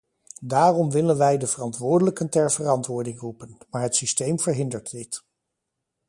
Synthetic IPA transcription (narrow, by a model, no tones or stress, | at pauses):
daːrɔmʋɪlənʋɛjdəvərɑntʋʊːɹdələkəntɛɹvərɑntʋʊːɹdɪŋrupənmaːɹɦətsistejmv̥əɹɦɪndəɹddɪt